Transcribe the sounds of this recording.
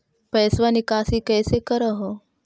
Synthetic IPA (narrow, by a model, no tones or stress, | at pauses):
pəjsʋanikaːsikəjsekəɾəɦo